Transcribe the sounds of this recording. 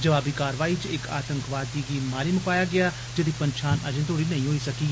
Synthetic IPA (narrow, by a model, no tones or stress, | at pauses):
d͡ʒəʋaːbiːkaːɾʋaːiːt͡ʃɪkʰa̰ːt̪əŋkʋaːd̪iːɡiːmaːlimʊpaːjaːɡɪaː | d͡ʒɪd̪iːpənʃʰaːnə̰d͡ʒẽt̪ʰoːɽiːnɐĩːɦoːiːsɐkiːɡ